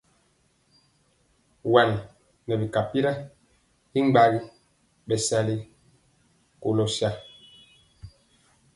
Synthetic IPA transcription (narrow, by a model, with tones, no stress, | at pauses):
wa˨n˨ | nɛ˨bi˨ka˨pi˦ɾa˦ | hi˦ŋ͡mɡ͡ba˦ɣi˦ | bɛ˨sa˦li˦ | ko˨lo˨sja˦